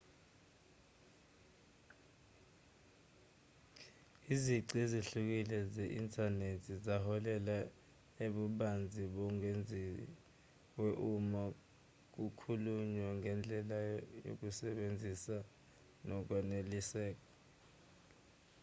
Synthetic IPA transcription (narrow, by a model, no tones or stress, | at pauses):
iziǀiziɬuk̬ilɛzɛʔintʰʼanetʰzizahɔlɛla | eɓuɓand͡zʱiɓɔŋend͡zʱi | weʔuma | k̬ukʰuluɲwaŋɛnd͡ɮʱɛlajo̰k̬usɛɓend͡zʱisa | nɔk̬wanelisɛːk̬ɔ